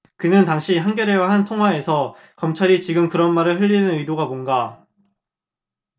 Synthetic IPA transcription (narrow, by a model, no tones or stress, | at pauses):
kɯnɯntaŋɕʰiɦanɡjʌɾe̞waɦantʰoŋɦwae̞sʰʌ | kʌmt͡ɕʰaɾit͡ɕiɡɯmkɯɾʌnmaɾɯɭɸɯʎːinɯnɯidoɡabonɡa